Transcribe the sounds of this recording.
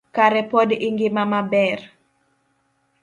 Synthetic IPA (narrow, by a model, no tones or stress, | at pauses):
kaɾɛpɔdiŋɡɪmamabɛr